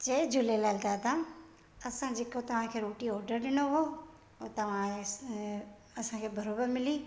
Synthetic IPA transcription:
t͡ɕɐd͡ʑʊlelaːlt̪aːd̪ã | ɐsãd͡ʑekot̪ɐʋ̤ãkʰeːɾoːʈiɔːɾɖəɾɗɪñoɦoː | ot̪ɐʋ̤ã | ɐsãkʰeːbʱɐɾoːbəɾmɪliː

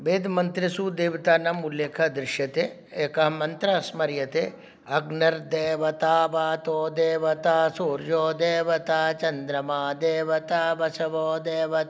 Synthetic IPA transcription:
beːd̪mɐnt̪ɾisud̪eːʋit̪aːnɐmulːeːkʰɐd̪ɾɪʃjɐt̪e | eːkɐɦɐmɐnt̪ɾɐsmɐɾjɐt̪eː | ɐɡnɐɾd̪eːʋɐt̪aːbaːt̪oːd̪eːʋɐt̪aːsoːɾjoːd̪eːʋɐt̪aːt͡ʃɐnd̪ɾɐmaːd̪eːʋɐt̪aːbɐsɐʋɔːd̪eːʋɐt̪

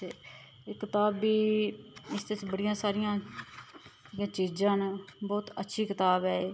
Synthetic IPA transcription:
ekɪt̪aːbiː | ɪst̪et͡ʃbəɽɪjãːsaːɾɪjãː | jãːt͡ʃiːd͡ʒãːnbɔːt̪ətːʃʰiːkɪt̪aːbɛː

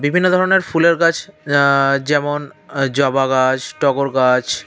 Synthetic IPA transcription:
bibʱinːod̪ʱɔɾoneɾfuleɾɡat͡ɕʰ | d͡ʑɛmond͡ʑɔbaɡat͡ɕʈɔɡoɾɡat͡ɕʰ

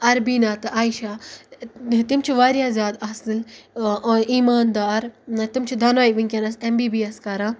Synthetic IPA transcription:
ɐɾbinaːt̪ɨʔaːiʃa | t̪imt͡ʃʰiʋaːɾjaːzʲjaːd̪ɐsɨl | iːmaːnd̪aːɾt̪imt͡ʃʰid̪ʱɐnʋaːjʋiŋʲkʲɐnɐsembiːbiːɐskɐɾãː

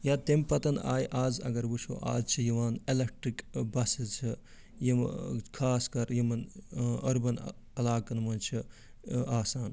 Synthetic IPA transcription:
jat̪emʲpɐt̪ɐnaːjʔaːzɐ̰ɡɐɾbuʃʰo̰ʔa̰ːzt͡ʃʰijiʋaːnelek̚ʈɾikbɐsizt͡ʃʰi | jikʰaːskɐɾjimɐnɐɾbɐn | ɐlaːkɐnmɐnt͡ʃʰi | aːsaːn

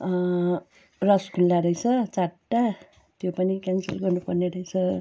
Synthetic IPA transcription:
rʌskʰulːaɾʌjt͡sʰʌt͡saʈːa | t̪jopʌnikʲjansʌ̰lɡʌrnupʌrneɾʌjt͡sʰʌ

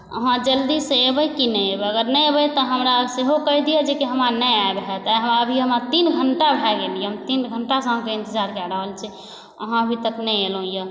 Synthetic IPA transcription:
ə̰ɦãd͡ʒəld̪iseebəjkinɛjebəɡəɾnəjebəjt̪ɔɦəmɾaseɦokəɦid̪ijɛd͡ʒekeɦəmanəjaebɦɛt̪ajɦəmaəbʱiəmat̪inɡʱəɳʈabʱɛɡelijeɦmt̪inɡʱəɳʈasəɦkeẽnt̪əd͡ʒaɾkaɾəɦəlt͡ʃʰi | ə̰ɦãəbʱit̪əknɛjelõjə

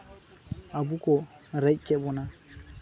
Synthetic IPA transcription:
abukɔɾɛkɛbɔna

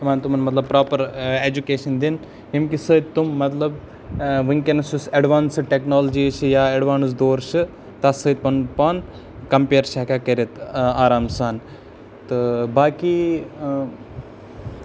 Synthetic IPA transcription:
ʋaːnt̪umɐnmɐt̪lɐb̚pɾaːpɐɾeːd͡ʒukeːʃɐnd̪in | ɦimkisəːd̪̚ʲt̪umːɐt̪lɐb | ʋɨŋkenɐsusɐɖʋaːnsɨʈeknoːld͡ʒiːt͡ʃʰɨjaːeɖʋaːns̬d̪oːɾʃɨ | t̪ɐsəːt̪̚ʲpɐnpɐn | kɐmpeːɾʃakaːkɐɾit̪aːɾaːmsaːn | t̪ɨbaːki

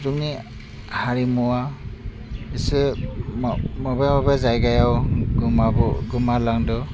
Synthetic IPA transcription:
zuŋni | haɾimuwa | isɯmmɔbamabazajɡajawɡmabɔɡɯmalaŋdɔ

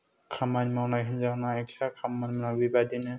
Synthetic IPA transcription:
kʰamanmawnaɦinzanaɛksakʰamːanmanabibadinɛ

